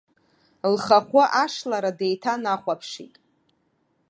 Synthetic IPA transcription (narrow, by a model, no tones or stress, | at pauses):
lχaχʷʊʔaʂlaɾadejtʰanaχʷapʰʂḭtʼ